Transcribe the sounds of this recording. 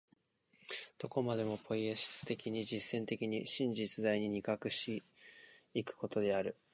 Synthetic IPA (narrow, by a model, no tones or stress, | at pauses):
d̪̥o̞ko̞mad̪e̞mo̞pʰo̞ieɕi̥sɨ̥t̪e̞kʲiɲ̟id͡ʑisːẽ̞nt̪e̞kʲiɲ̟iɕĩɲ̟d͡ʑit͡sɨd̪aiɲ̟iɲ̟ikakɯ̟ɕt̪i | ikɯ̟̥ko̞t̪o̞d̪e̞aɾɯ̟